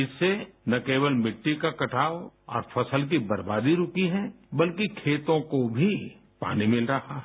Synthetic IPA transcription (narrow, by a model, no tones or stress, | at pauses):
ɪsːenɐkeːbəlmɪʈːikakɐʈʰaːoɔ̰ːɾfʰɐsəlk̬ibɐɾba̰ːd̪iɾʊkiɦɛ | bɐlkikʰeːt̪õkobʱi | pa̰ːnimɪlɾɐhaɦ